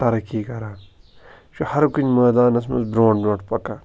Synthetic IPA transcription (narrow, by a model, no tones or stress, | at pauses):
t̪ɐɾɐkiːkɐɾaː | ʃuhɐɾkunmɐːd̪aːnɐs̬mɐ̰sbɾõːʈbɾoːʈʰpɐka